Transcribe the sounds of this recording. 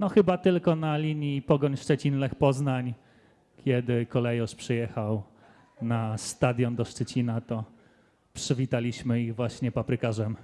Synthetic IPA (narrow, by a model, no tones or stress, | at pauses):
nɔxɘbat̪ɘlkɔnalʲiɲipɔɡɔɲʂt͡ʂɛt͡ɕinlɛxpɔznaɲ | kʲʰjɛd̪ɘkɔlɛjɔʂpʂɘjɛxaw | nast̪ad̪ʲjɔnd̪ɔʂt͡ʂɛt͡ɕinat̪ɔ | pʂɘvʲit̪alʲiɕmɘiɣvwaɕɲɛpapɾɘkaʐɛm